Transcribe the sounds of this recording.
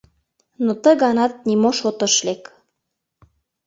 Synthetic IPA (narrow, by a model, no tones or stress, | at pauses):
not̪əɣɑnɑt̪̚nimoʃot̪ə̆ʃlek